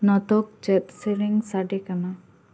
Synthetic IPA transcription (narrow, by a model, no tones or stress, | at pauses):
nɔt̪ɔk̚t͡ʃɛt̪̚siɾiŋsaɖɛkana